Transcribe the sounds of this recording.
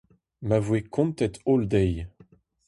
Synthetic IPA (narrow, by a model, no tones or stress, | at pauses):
mavwekʰɔ̃nt̪ɛt̪old̪ɛj